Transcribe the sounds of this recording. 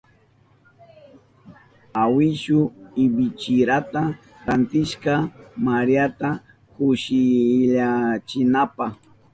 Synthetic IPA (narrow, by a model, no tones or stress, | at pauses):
awɪʃʊɪbɪt͡ʃɪɾat̪a | ɾant̪ɪʃkamaɾjat̪a | kʊʃɪʎat͡ʃɪnapaχ